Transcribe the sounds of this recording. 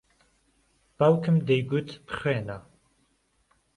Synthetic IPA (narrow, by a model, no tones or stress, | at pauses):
b̥awkʰəmd̪ejɡut̪ʰpʰχwɛːna